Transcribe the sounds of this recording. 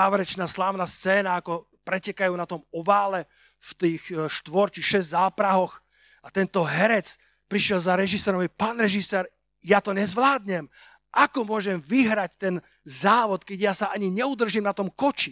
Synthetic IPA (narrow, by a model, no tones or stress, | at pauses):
aːʋɾɛt͡ʃnaːslaːʊnast͡sɛːnaːkɔ | pɾɛcɛkajuːnat̪ɔmɔʋaːlɛ | ft̪iːxʃt̪ʋɔɾt͡ʃixʃɛzʲzaːpɾaɦɔx | at̪ɛnt̪ɔɦɛɾɛt͡s | pɾiʃjɛlzaɾɛʒisɛːɾɔmɔʋpaːnɾɛʒisɛːɾ | jat̪ɔɲɛzʋlaːd̪ɲɛm | ʔakɔmʊɔʒɛmʋiɦɾact̪ɛn | zaːʋɔt̪kɛɟjasaʔaɲiɲɛud̪r̩ʒimnat̪ɔmkɔt͡ʃi